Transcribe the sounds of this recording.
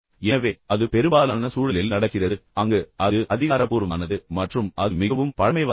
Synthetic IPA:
ɛnɐʋeːɐðɯpɛɾɯmbaːlaːnɐsuːɻɐlɪlnɐɽɐkːɪrɐðɯɐŋɡeʔɐɯʔɐðɪɣaːɾɐpːuːɾɯʋaːnɐðɯmɐʈrɯmɐðɯmɪɣɐʋɯmpɐɻɐmɐɪʋ

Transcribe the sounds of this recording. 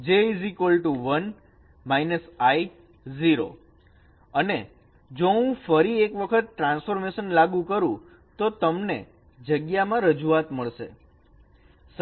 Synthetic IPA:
d͡ʒeizikolʈuʋən | mainəsai | ziɾo̰ | əne | d͡ʒoɦũfəɾiekʋəkʰət̪̚ʈɾãnsfoɾmeʃənlaɡũkəɾũ | t̪ot̪əmnḛ | d͡ʒəɡjamãɾəd͡ʒuat̪məɭʃḛ | s

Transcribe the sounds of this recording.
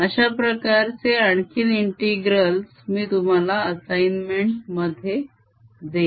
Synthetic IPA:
əɕapɾəkaɾt͡seaɳkiːniɳʈiɡɾəls | miːt̪um̤alaəsajnmeɳʈməd̪ʱːje | d̪e

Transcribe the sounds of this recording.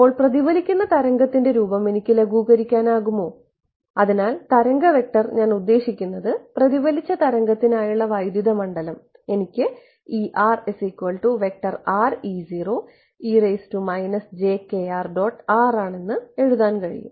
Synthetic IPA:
ipːo̞ːɭprɐðiʋɐlikʲːunːɐt̪ɐɾɐŋɡɐt̪ːinde̞ɾuːbɐme̞nikʲːɨleɡuːɣɐɾikʲːaːnaːɣumːo̞ː | ɐðinaːlt̪ɐɾɐŋɡɐʋe̞k̚ʈɐrɲaːnud̪ːe̞ːɕikʲːunːɐðɨprɐðiʋɐlit͡ɕːɐt̪ɐɾɐŋɡɐt̪ːinaːjuɭːɐʋɐjd̪jiðɐmɐɳɖɐlɐm | e̞nikʲːɨ | iʔaːre̞sikːʋɐɭʈuʋe̞k̚ʈɐraːriːziːro̞ː | iːreːstumɐjnɐsd͡ʑe̞ːke̞aːrɖo̞ːʈːaːraːɳe̞nːɨe̞ɻuðaːnkɐɻḭjṵm

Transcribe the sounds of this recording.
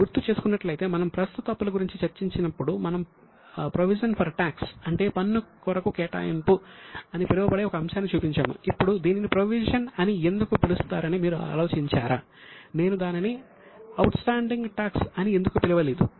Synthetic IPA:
ɡuɾt̪ːut͡ʃe̞ːsu̥kunːɐʈlɐjit̪e̞ːmɐnɐmpɾɐst̪ut̪ɐpːulɐɡuɾiɲt͡ʃit͡ʃɐɾt͡ʃiɲt͡ʃinɐpːuɽumɐnɐm | pɾoʋiʃɐnpʰɐɾʈaːksɐɳʈe̞ːpɐnːukɔɾɐkukɛːʈa̰ːjimpuɐnipiliʋɐbɐɽeːɔkɐːmʃaːnːit͡ʃuːpiɲt͡ʃa̰ːmṵipːuɽud̪iːninipɾoʋiʃɐnɐnie̞nd̪ukupilust̪aːɾɐnimiːɾua̰ːlo̞ːt͡ʃiɲt͡ʃaːɾaː | ne̞ːnud̪aːnini | ɐwʈsʈaːɳɖiŋɡʈaːksɐnie̞nd̪ukupiliʋɐleːd̪ṵ

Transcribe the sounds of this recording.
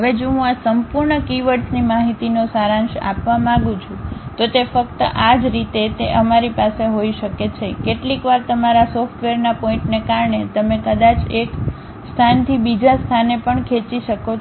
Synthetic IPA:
ɦəʋed͡ʒoɦũasəmpuɾɳəkiʋəɾsnimaɦit̪inosaɾãnʃa̰pʋamãɡũt͡ʃʰũt̪ot̪efək̚t̪əʔad͡ʒɾit̪et̪eʔəmaɾipaseɦoiʃəket͡ʃʰekeʈlikʋaɾt̪əmaɾasɔfʈʋeɾnapɔĩɳʈnekaɾɳet̪əmẽkəd̪at͡ʃek | st̪ʰant̪ʰibid͡ʒast̪ʰanepəɳkʰet͡ʃiʃəko

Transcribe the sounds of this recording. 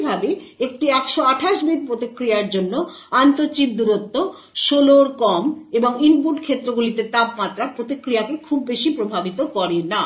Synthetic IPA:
bʱabeek̚ʈiɛkʃoaʈʰaʃbid̪̚pɾot̪ikɾijaɾd͡ʑonːoant̪oɾt͡ɕip̚d̪uɾot̪ːo | ʃoloɾkɔmeboŋinp̬uʈkʰet̪ːɾoɡulit̪et̪apmat̪ːɾaɾpɾot̪ikɾijakekʰubːeʃipɾobʱabit̪okɔɾena

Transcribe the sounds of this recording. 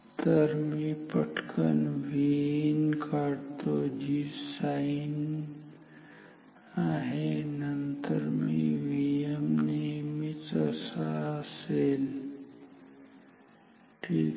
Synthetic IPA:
t̪əɾmipəʈʰkʰə̰nʋinkʰaɽt̪od͡ʒiːsain | aɦenənt̪əɾmiḭʋijəmnimit͡səsasel | ʈi

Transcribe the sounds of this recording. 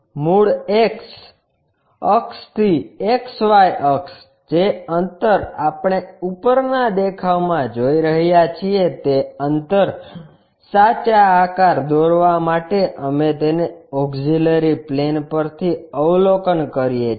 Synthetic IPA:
muɽeks | əkst̪ʰieksʋajʔəks | d͡ʒeənt̪əɾapɳ̃eupəɾnad̪ekʰaʋmãd͡ʒoiɾəɦjat͡ʃʰiet̪eənt̪əɾ | sat͡ʃaːkaɾd̪oɾʋamaʈeʔəmet̪eneoɡd͡ʒiləɾiplenpəɾt̪ʰiəʋlokənkəɾije

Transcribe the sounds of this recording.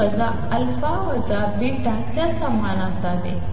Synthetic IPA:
əd͡za | əlfaʋəd͡zabiɖ̪ʱat͡ɕjasəmːanasadḛ

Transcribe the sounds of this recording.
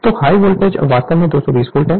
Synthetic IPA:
t̪ohaːiʋoːlʈed͡ʒ̰ʋaːst̪emẽd̪oːsɔbiːsfuːlʈɦɛ̃ː

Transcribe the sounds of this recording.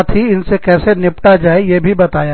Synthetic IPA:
t̪ʰiɪnsekɛːsenɪpʈad͡ʒaːejeːbʱibɐt̪aːja

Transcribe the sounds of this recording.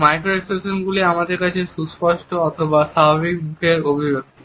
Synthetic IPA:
majkɾoeksesonɡuliamad̪eɾkat͡ɕʰeʃuspɔʃʈoɔt̪ʰobaʃabʱaβik̚bukʰeɾobʱid͡ʑot̪

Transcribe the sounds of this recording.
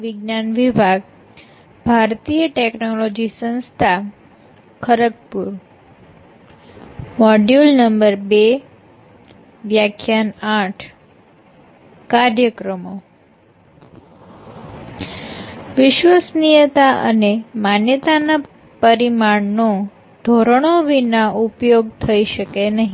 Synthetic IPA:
ʋɪɡnanʋibʱaɡ | bʱaɾt̪ijəʈeknolod͡ʒisə̃nst̪ʰa | kʰəɾək̚puɾ | mɔɖjulnəmbəɾbe | ʋjakʰjanaʈʰ | kaɾjəkɾəmo | ʋɪʃʋəsnijət̪aə̰nemanjət̪ana | pəɾimaɳno | d̪̥ʱoɾəɽ̃oʋinaupjoɡ̚t̪ʰəiʃəkenəɦi

